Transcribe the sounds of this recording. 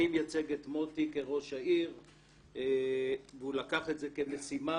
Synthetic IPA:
imjat͡se̞ɡetmo̞tike̞ʁo̞ʃhaiʁ | veulakaχe̞tze̞ke̞me̞sima

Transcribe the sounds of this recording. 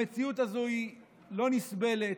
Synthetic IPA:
et͡siut̪azoi | lo̞nisbe̞le

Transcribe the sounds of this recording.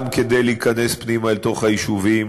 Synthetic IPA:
mked̪ejleikane̞spnimaelt̪o̞χhajiʃuvim

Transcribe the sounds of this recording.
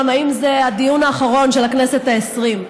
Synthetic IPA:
maimzead̪ijunaːχaʁo̞nʃe̞laknese̞t̪aesʁim

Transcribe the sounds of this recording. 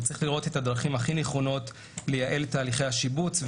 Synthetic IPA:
t͡sʁiχliʁo̞te̞thadʁaχimhaχineχo̞no̞t | le̞jaʔe̞ltaːliχe̞jhaʃibut͡sv

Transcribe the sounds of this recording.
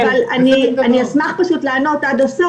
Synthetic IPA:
valanianiasmaχpaʃut̪leanot̪ad̪aso

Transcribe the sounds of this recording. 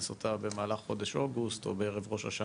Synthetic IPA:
sot̪ʰabe̞maːlaχχo̞d̪eʃo̞ɡust̪obeeʁevʁo̞ʃa̰ʃa

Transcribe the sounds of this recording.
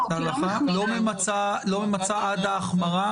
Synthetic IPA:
alaχalomemat͡salomemat͡saʔad̪aːχmaʁa

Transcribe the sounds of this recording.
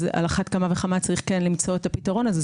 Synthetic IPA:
ʔa̰laχatkamaveχamat͡saʁiχkenlimt͡so̞etapitaʁo̞naze

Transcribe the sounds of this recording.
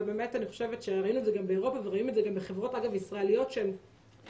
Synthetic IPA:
beme̞taniχoʃevetʃeʁainuedzeɡambeeʁo̞paveʁainmuedzeɡambeχevʁo̞taɡavisʁaelijo̞tʃeem

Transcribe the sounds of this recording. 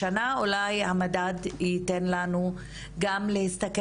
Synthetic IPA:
anaulajhamadaditenlanu | ɡamlehist̪ak

